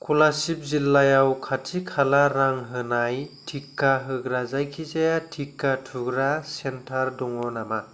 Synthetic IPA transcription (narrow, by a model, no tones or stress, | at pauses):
kʰulasip̚zilːajawkʰatʰikʰalaɾaŋɦɯnajtʰikːaɦɯɡɾazajkʰizajatʰikːatʰuɡɾasentʰaɾdɔŋɔnama